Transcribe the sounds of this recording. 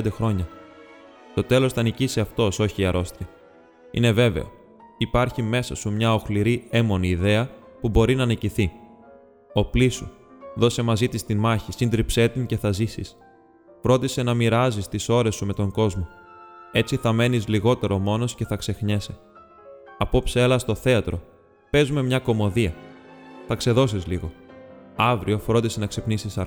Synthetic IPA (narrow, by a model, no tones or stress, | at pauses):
nd̪exɾo̞ɲɐ | t̪o̞t̪e̞lo̞sθɐniciseɐft̪o̞so̞çiɐɾo̞st̪iɐ | ḭne̞ve̞ve̞̰o̞̰ | ipɐɾçime̞sɐsumɲɐo̞xliɾie̞mo̞niːðe̞ɐpubo̞ɾinɐniciθi | o̞plisu | ðo̞se̞mɐzit̪ist̪inmɐçisind̪ɾipse̞t̪iŋceθɐzisis | fɾo̞nd̪ise̞nɐmiɾɐzist̪iso̞ɾe̞sume̞t̪o̞ŋɡo̞zmo̞e̞t͡siθɐme̞nizliɣo̞t̪e̞ɾo̞mo̞no̞sce̞θɐkse̞xɲe̞se̞ | ɐpo̞pselɐst̪o̞θe̞ɐt̪ɾo̞ | pe̞zume̞mɲɐko̞mo̞ðiɐ | θɐkse̞ðo̞sizliɣo̞ɐvɾio̞fɾo̞nd̪ise̞nɐkse̞pnisisɐ